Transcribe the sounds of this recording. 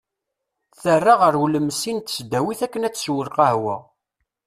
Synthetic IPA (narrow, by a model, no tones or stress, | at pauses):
θərːaʁəɾwuləmːsint̪ə̥sd̪æwiθækːənæt͡sːswəlqɑhwə̰